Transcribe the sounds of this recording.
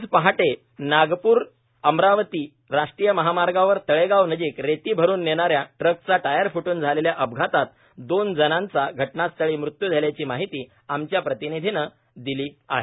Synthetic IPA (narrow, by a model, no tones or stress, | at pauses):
d͡zpəɦaʈe | naɡpuːɾ | əmɾaʋət̪iː | ɾaʂʈɾiːjəməɦamaɾɡaʋəɾt̪əɭeɡaʋnəd͡ʑiːkɾet̪iːbʱəɾuːnːeɽ̃aɾjaʈɾəkt͡saʈajəɾfuʈuːnd͡zʱaleljaʔəbɡʱat̪at̪̚ | d̪ond͡zənãnt͡saɡʱəʈnast̪əɭiːmɾut̪jud͡zʱaljat͡ɕiːmaɦit̪iː | amt͡ɕjapɾət̪inid̪ʱinə | d̪iliːa̰ɦe